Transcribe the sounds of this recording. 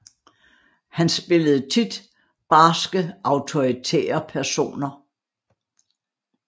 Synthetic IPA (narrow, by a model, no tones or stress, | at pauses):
hænsb̥e̝ləð̞̩ˠt͡sʰid̥ | b̥ɑ̈ːsɡ̥əʔɑ̈ʊt͡sʰo̝ʁit͡sʰḛːɐpʰæɐso̝̰ːnɐ